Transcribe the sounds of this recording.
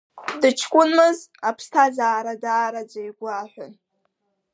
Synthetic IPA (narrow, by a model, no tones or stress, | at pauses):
dɨt͡ʃʰkʷʼʊnmɨzapʰstʰazaːɾadaːɾad͡ʒʷajɡʷaħʷʊ̰n